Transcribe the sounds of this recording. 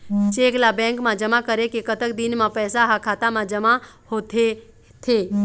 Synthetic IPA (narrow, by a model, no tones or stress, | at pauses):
t͡ʃeːɡlabɛ̃ːŋkmãd͡ʒɐmakəɾekekət̪ək̚d̪ɪnmãpɛːsaɦakʰaːt̪amãd͡ʒəma | hot̪ʰe | t̪ʰeː